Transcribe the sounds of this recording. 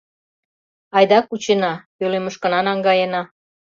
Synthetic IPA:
ɑjd̪ɑkut͡ɕenɑpøleməʃkə̆nɑnɑŋɡɑjenɑ

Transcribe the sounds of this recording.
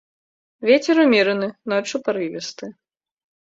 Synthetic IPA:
vʲet͡sʲɛɾumʲiɾɨnɨnɔt͡ʂupaɾɨvʲɛst̪ɨ

